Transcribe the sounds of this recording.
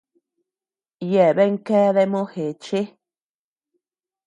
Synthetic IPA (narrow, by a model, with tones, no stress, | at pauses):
jɛ˨bɛ˦ŋ̩˦kɛ˦ðɛ˦ʔmo˦he˨t͡ʃe˦